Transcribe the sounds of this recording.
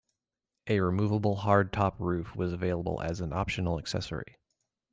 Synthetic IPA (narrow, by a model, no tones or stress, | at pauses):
ʔɨɹɨmuvəbl̩ˠɦɑɹd̚tʰɑpʰɹʉfwʌzəveɪlˠəbl̩ˠɨ̰z̃n̩ɑpʃɨn̩l̩ˠəksɛ̰sə̰˞ḭ